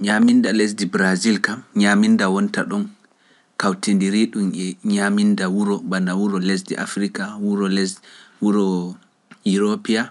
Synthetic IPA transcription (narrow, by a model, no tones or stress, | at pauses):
ɲamindales̬dibɾazilkamɲamindawɔnta̰ɗɔn | kawtendiɾiɗumɛɲamindawuɾɔbanawuɾɔles̬dḭʔa̰fɾikawuɾɔlɛswuɾɔ | iɾopia